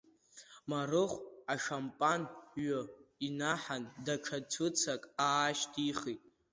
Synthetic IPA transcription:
marɨχʷaʂampʼanɥʊinaħandaʈ͡ʂʰatʷʰʊt͡sʰakʼaːʃtʰʼiχitʼ

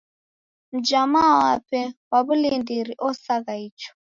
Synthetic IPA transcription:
m̩d͡ʒamawapɛwaβulindiɾiʔɔsaɣaiːt͡ʃɔ̥

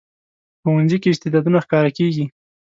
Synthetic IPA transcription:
xowanzikeɪst̪ɪd̪ɑd̪unaxkɑɾakeɡi

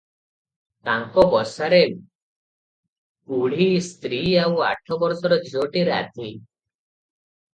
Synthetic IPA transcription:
t̪aŋkɔbɔsaɾe | uɽ̤ist̪ɾiawa̰ʈʰɔbɔɾsɔɾɔd͡ʒʱoʈiɾa̰t̪i

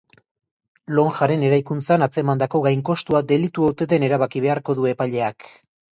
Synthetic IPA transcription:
lo̞ŋʝaɾe̞ne̞ɾajkunt͡sanat͡se̞mand̪ako̞ɣajŋko̞st̪uad̪e̞lit̪uot̪e̞ðe̞ne̞ɾaβakiβ̞e̞aɾko̞ðue̞paʎe̞ak

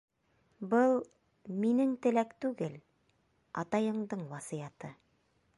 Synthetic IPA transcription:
bɤlˠ | minɘŋt̪ɘ̆lækt̪ʉɡɘl | ɑt̪ɑjɤ̆ɴd̪ɤɴwɑsijɑt̪ɤ

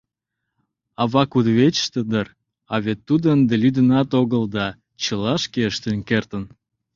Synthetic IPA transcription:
ɑβɑkud̪βet͡ɕə̥ʃt̪əd̪ər | ɑβet̪ːud̪ənd̪əlyd̪ənɑt̪oɣəld̪ɑ | t͡ɕəlɑʃkeəʃt̪ənkert̪ən

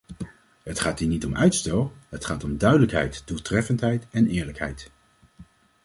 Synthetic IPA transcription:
ɦətχaːtiːnitɔmʔœɥtstɛlˠɦətχaːtɔmdœɥdələkɦɛ̰jtd̥ulˠtrɛfəntɦɛjtɛnɪːɹləkɦɛ̰jt

